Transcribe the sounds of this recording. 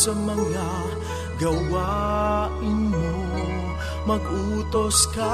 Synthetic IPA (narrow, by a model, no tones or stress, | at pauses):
sɐmɐŋːa | ɡɐwa | ɪɲo | mɐɡʔuːt̪oskɐ